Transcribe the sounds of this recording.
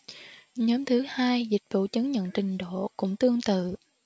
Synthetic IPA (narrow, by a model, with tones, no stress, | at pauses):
ɲɔ˨˦mt̪ʰɨ˨˦haː˧jzï˨˩k̟̚vṵ˧˨t͡ɕə˨˦ŋɲə̰˧˨nt͡ɕï˨˩ŋ̟ɗo̰˧˨kʊ̰˧˥ŋ͡mt̪ɨ˧əŋt̪ɨ̰˧˨